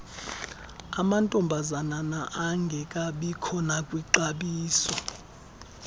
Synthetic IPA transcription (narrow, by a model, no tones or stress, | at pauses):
amantʼɔmbʱazananaʔaŋɡʱɛkʼaɓikʰɔnakʼwiǃaɓiːsɔ